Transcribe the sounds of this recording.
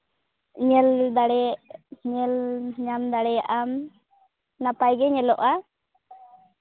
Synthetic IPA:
ɲɛld̪aɽɛɲɛlɲamd̪aɽɛjaʔam | napajɡɛɲɛlɔʔa

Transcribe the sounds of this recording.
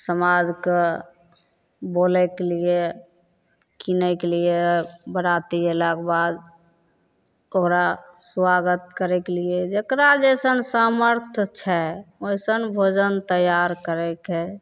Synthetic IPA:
səmad͡ʒke | bolɛkelie | kinəkelijebəɽat̪iɦelakbad̪̚ | okɾaswaɡət̪̚kəɾɛkelied͡ʒekɾad͡ʒesənsaməɾt̪ʰt͡ʃʰɛojsənbʱod͡ʒənt̪əjaɾkəɾɛkɦɛ

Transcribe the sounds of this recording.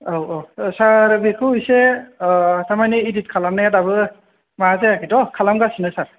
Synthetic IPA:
owʔosaɹbekʰuujse | tamaniːdit̚kʰalamnajatabɯ | maazɛakitɔkʰalamɡasinɯsaɹ

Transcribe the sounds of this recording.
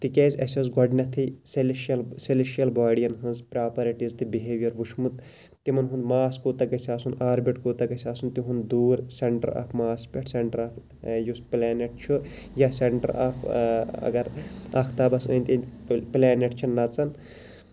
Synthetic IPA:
t̪ikeːzʲɐsʲɐzɡɔɖnʲɐt̪ʰisilʃɐlsileʃijɐlbaːɽijɐnɦɐnzpɾaːpɐɾiʈizt̪ibiɦeːʋjɐɾʋuʃmut̪ | t̪imɐnɦund̪maːskoːt̪ɐkɐsʲaːsunaːɾbiʈkoːt̪ɐkɐsʲaːsunt̪iɦund̪d̪uːɾseɳʈɐ̰ɾa̰ːpʰmaːspʲɐʈʰseɳʈɐɾaːp | jusplaːneʈ̚t͡ʃʰu | jaseɳʈɐ̰ɾa̰pʰɐ̰ɡɐɾɐkʰt̪aːbɐsɐːnʲt̪ʲinplaːneʈt͡ʃʰinːɐt͡sɐn

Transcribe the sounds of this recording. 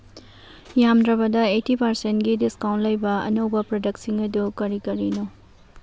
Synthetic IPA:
jamdɾɐβɐdɐetipɐɾsentɡidiskawntlɐjbɐɐ̰nowbɐpɾodɐksiŋɐdukɐɾikɐɾino

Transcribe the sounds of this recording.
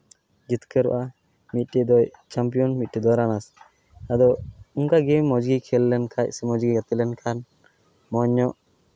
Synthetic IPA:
d͡ʒit̪kəɾɔ̰ʔa | mit̪̚ˀʈɛd̪ɔjt͡ʃampijɔnmit̪̚ʈɛd̪ɔɾanas | ad̪ɔuŋkaɡɛmːɔd͡ʒɡikʰɛlːɛnkʰac̚sɛmɔd͡ʒɡiɡat̪ɛlɛnkʰan | mɔɲːɔʔ

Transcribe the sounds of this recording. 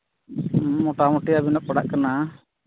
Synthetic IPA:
ɔʈamɔʈiabinɔʔ̚kɔɽa̰ʔkana

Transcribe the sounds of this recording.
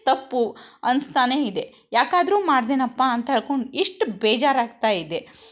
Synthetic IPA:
t̪ɐpːuɐnst̪aːneid̪e̞ | jaːkaːd̪ɾuːmaːɽd̪eːnɐpːaɐnt̪ɐɦeɭko̞ɳɖiʂʈbɛːd͡ʒaːɾaːɡ̚t̪aːid̪e̞

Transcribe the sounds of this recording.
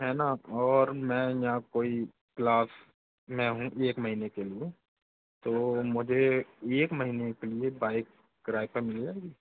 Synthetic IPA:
ɦɛːnaɔːɾmɛ̃jɐɦãkoːi | klaːs | mɛ̃ɦũʔeːkmɐɦiːnekelie | t̪oːmʊd͡ʒʱeeːkməɦiːnekeliebaːɪk̚ | ɡɾaːipeɾmɪld͡ʒaːeːɡiː

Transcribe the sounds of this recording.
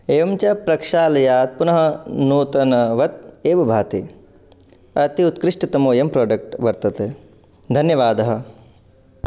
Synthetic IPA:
eːʋɐmt͡ʃɐpɾɐkʂaːlɐjaːt̪̚punɐɦɐ̆nuːt̪ɐnɐʋɐt̪̚eːʋɐbʱaːt̪i | ɐt̪iut̪kɾɪʂʈɐt̪ɐmoːjɐmpɾoːɖɐk̚ʈʋɐɾt̪ɐt̪eː | d̪ʱɐnjɐʋaːd̪ɐɦɐ̆

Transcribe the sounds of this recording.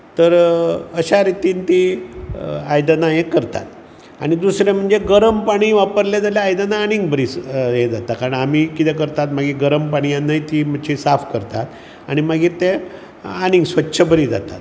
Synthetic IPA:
t̪əɾəɕaɾit̪iːnt̪i | ajd̪ənajekəɾt̪a̰t̪ | a̰ɽ̃id̪usɾjam̤əɳd͡zeɡəɾəmpaɽ̃iːʋapəɾljed͡zaljaːjd̪ənaːñiŋɡ̚bəɾiːsɦed͡zat̪akaɾəɳam̤iːkit̪ɛkəɾt̪at̪maɡiːɡəɾəmpaɽ̃ijanːajt̪iːm̤ət͡ɕʰisafkəɾt̪at̪ | aɽ̃imaɡiːɾt̪e | añĩŋɡsʋətːɕʰəbəɾiːd͡za̰t̪a̰t̪

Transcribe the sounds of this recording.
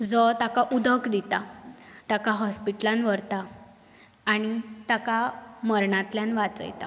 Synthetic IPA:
d͡zɔt̪akaʔud̪əkd̪it̪at̪akaɦɔspiʈlanʋəɾt̪aː | ɽ̃it̪akaməɾɳãt̪ljanʋat͡sə̰jt̪a̰

